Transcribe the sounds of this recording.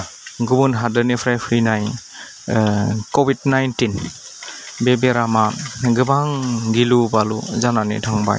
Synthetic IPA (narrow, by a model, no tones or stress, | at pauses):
ɡubunɦadɯnipʰɾajpʰɾinaj | kobid̚najntin | bebeɾamaɡɯbaŋɡilubaluzananḭtʰaŋba̰j